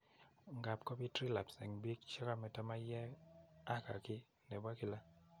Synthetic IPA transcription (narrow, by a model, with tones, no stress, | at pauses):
ŋɡa˨pkɔ˦bi˦tɾi˦la˨psɛ̰˨ŋbi˦kt͡ʃa˦ka˦mɛ˨tɔ˦ma˦jɛ˦a˦ka˨kɪ˦ | nɛ˨bwa˦kɪ˦˨la˦